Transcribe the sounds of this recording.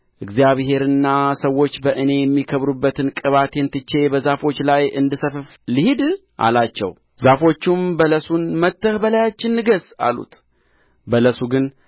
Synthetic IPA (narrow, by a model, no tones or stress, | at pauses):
ʔɨɡzijaβɦe̞ɾɨnːasəwːo̞t͡ʃːbəʔɨne̞jɛmːikʰəβɾubːət̪ʰɨnkʼɨβat̪ʰɛnt̪ɨt͡ʃːe̞bəzafo̞t͡ʃːlajɨnd̪ɨsəfɨf | lihid̪ʔa̰lat͡ʃːɛ̰w | zafo̞t͡ʃːumbələsunmət̪ːɨhbəlajat͡ʃːɪnːɨɡəsa̰lṵt̪ | bələsuɡɨn